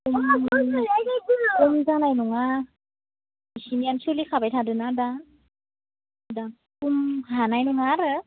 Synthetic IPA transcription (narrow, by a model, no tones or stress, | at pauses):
kumzanajnɔŋa | bisiniansulikʰabajtʰadɯnada | da | kumɦanajnuŋaɾɯ